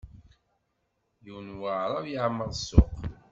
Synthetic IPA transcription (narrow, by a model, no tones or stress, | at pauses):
juwnwaʕɾˤɑvjəʕməðˤsːʊ̰q